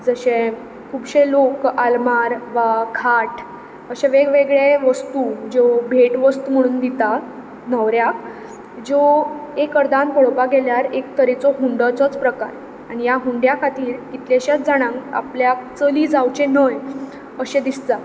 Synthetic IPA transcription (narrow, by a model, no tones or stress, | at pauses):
d͡zəɕẽ | kʰuːbɕelokalmaɾʋakʰaʈ | əɕeʋeɡʋeɡɭeʋəst̪ud͡ʑobʱeʈʋəst̪um̤əɽ̃uːnd̪it̪a | nəʋɾjak | d͡zoekəɾd̪anpɔɭpaɡeljaɾek̚t̪əɾet͡sɔɦuɳɖət͡sɔt͡spɾəkaɾ | aɽ̃ijaɦuɳɖjakʰat̪iːɾkit̪leɕatd͡zaɽ̃ãŋka̰pljak̚t͡səliːd͡zawt͡ɕenəj | əɕẽd̪ist̪a